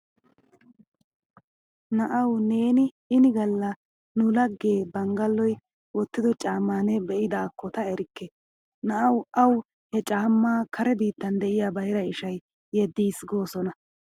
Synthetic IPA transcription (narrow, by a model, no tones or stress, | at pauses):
nɐʔɐwne̞ːnɪ | ɪnɪɡɐlːɐ | nʊlɐɡːe̞ːbɐŋɡɐlːɔj | wɔt̪ːɪd̪ɔt͡ʃʼaːmːaːnɛbɛʔɪd̪aːkːɔt̪ɐɛɾɪkːɛ | nɐʔɐwʔɐw | hɛt͡ʃʼaːmːaːkʰɐɾɛbiːt̪ːɐnd̪ɛʔɪjabɐjɾɐɪʃɐj | jɛd̪ːiːsɡo̞ːsɔnɐ